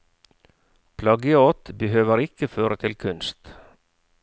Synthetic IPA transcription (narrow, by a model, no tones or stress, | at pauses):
pʰlɑɡəɔt̪bəɦøːʋəɾɪkəføːɾət̪ʰɪlkʰʉnst̪